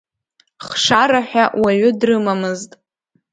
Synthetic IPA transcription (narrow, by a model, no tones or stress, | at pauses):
χʂaɾaħʷᶣawaɥʊdrɨmamɨztʼ